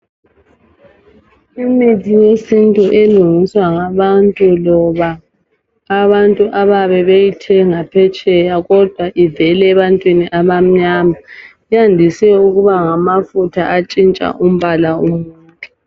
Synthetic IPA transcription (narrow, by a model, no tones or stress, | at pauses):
imitijesintʼuʔeluŋiswaŋaβantʼulɔβaː | βantʼuʔaβaβɛβejitʰɛŋapʰɛt͡ʃʼɛjaɣɔd̥ʱwaʔivɛlɛːβantʼwiniʔaβam̩ɲama | ijandʱisɛuɣuβaŋamafutʰa̰ʔat͡ʃʼint͡ʃʼa̰ʔum̩βalaumuːkʼɛ